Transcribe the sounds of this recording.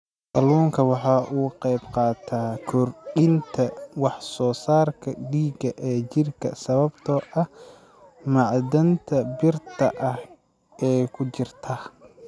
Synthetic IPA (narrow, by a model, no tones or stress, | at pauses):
ʔɐlɔːŋkʰɐwɑħɑːʔuːqɛjbqɑːt̪ʰaːkʰɔrɗɪnt̪ʰɐwɑħsɔːsaːrkʰɐɖiːɡɐʔɛːt͡ʃɪrkʰɐ̰sɐβɐbt̪ʰɔʔɐh | mɑʕd̪ɐnt̪ʰɐbɪrt̪ʰɐʔɐh | ʔɛːkʰʊt͡ʃɪrt̪ʰɐ